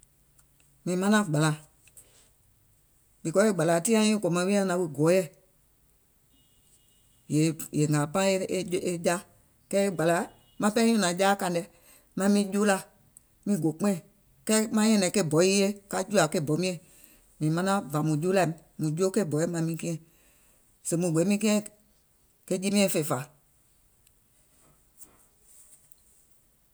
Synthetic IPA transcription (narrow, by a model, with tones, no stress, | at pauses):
mĩ˨˦mã˦nã˦ɡ͡ba˨la˨˦ | bi˨kɔ˨˦e˦˨ɡ͡ba˨la˨tĩ˦ã˦ĩ˦ko˨mã˧˦wi˦ã˧˦nã˨˧wi˧ɡɔ˨˦jɛ˦˨ | je˨˦je˨ŋaː˨pã˦e˧˦e˧d͡ʒa˦ | kɛː˦e˦ɡ͡ba˨la˨˦ | mã˧˦pɛ˦õ˦nã˨˦d͡ʒaː˦kã˧ndɛ˧ | mã˧˦mĩː˦d͡ʒuː˦la˧ | mĩ˧˦˨ɡo˨k͡pẽ˦˨ | kɛː˦mã˦jɛ̃˧nɛ̃˨ke˦˨bɔ˨˦i˦je˦ka˧d͡ʒu˦a˨ke˦˨bɔ˨˦mĩ˦ɛ̃˨ | mĩ˨mã˦nã˦va˨mũ˨d͡ʒuː˦la˧˨m˨mũ˨d͡ʒu˦o˦ke˦˨bɔ˨˦e˦mã˧˨˦mĩ˧˦kĩ˦ɛ̃˦˨ | sẽ˨mũ˨ɡ͡be˨˦mĩ˦kĩ˦ɛ̃˦ | ke˦d͡ʒi˦mĩ˦ɛ̃˧˦˨fe˧˨fa˨